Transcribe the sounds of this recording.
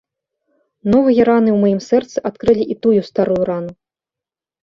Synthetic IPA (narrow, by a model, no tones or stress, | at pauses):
nɔvɨjɐɾanɨwmajimsɛrt̪sɨʔat̪kɾɨlʲiʔit̪ujust̪aɾujuɾanu